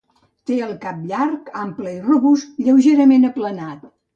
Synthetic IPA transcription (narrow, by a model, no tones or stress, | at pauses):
t̪eəlˠkap̚ʎaɾkampləiruβust̪ʎəwʒeɾəmenəplənat̪̚